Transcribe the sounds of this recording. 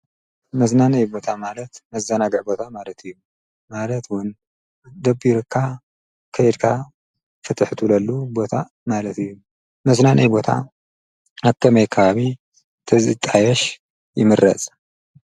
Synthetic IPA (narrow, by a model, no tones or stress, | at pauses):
mɐznanɐjbo̞t̪ʰamalɐt̪mɐzɐnaɡɨʕbo̞t̪ʰamalɐt̪ɨjːu | malɐt̪wʊn | d̪ɐbiɾɨkʰːa | kʰɐjɛd̪kʰa | fɨt̪ʰɨħt̪ʰulɐlːubo̞t̪ʰa | malɐt̪ɨjːu | mɐznanʔɐ̰jbo̞t̪ʰa̰ | aβk̪ʰɐmɐjkʰɐβaβi | t̪ʰɐzɨt̪ʼajɛʃ | jɪmɨɾɐ̰t͡sʼ